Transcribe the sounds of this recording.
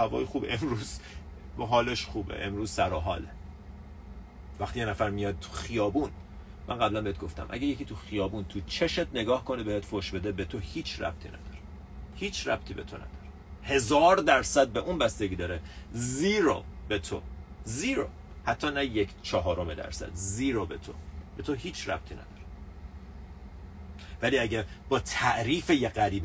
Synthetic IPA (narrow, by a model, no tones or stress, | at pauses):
hævɒ̰ːjixuːbḛʔemɾuːz̥ | ɦɒːleʃχuːbḛʔemɾuːz̥sæɾɒɦɒ̰ːle | væxt̪ijenæfæɾmijɒd̪̚t̪ʰu̥xijɒːbuːn | mænɢæblænbeet̪̚ɡoft̪æ̰mʔæ̰ɟæjeciːt̪ʰuxijɒːbuːnt̪ʰut͡ʃʰeʃet̪̚ʰne̞ɡɒːhko̞nebehet̪foʃbe̞d̪e̞bet̪ʰo̞hiːt͡ʃʰræ̰b̥̚t̪ʰḭːnæ̰d̪̥ɒɾe | hiːt͡ʃʰræ̰b̥t̪ʰiːbe̞̰t̪ʰo̞̰næ̰d̪̥ɒ̥ɾe | he̞zɒːɾd̪æɾsæd̪̚beʔunbæst̪e̞ɡɟiːd̪ɒːɾeziːɾo̰be̞t̪ʰo̰ziːɾo̰ | hæt̪ʰːɒːnæjecʰt͡ʃʰɒɦɒːɾomed̪æ̰ɾsæ̰d̪ziːɾobet̪ʰo̰b̥e̞t̪ʰoɦiːt͡ʃʰræ̰b̥̚t̪ʰiːnæ̰d̪ɒːɾe̥ | væliːæɟebɒːt̪ʰæʔɾiːfejeɣæɾiːb